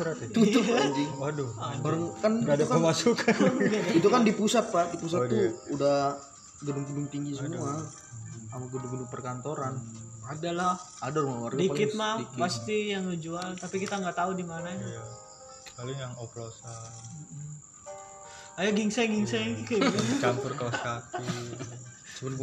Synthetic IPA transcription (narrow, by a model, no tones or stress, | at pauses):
suɾat̪t̪ut̪ʊd͡ʒiadoabəɾəŋkanɡadakəmasukʰanɡait̪ukandipusat̪̚padipus̬at̪uuda | ɡədʊŋɡədʊŋt̪iŋɡisəmua | amaɡədʊŋɡədʊŋpərkant̪oɾanadalah | adaɾumawardikɪt̪̚madikpast̪ijaŋəd͡ʒualt̪apikit̪aŋɡaʔt̪audimanaɲḁ | kalɪŋjaŋoplosam̩ | ajaɡiŋsɛɡiŋsakakt͡ʃanʊrkalaskati | səbən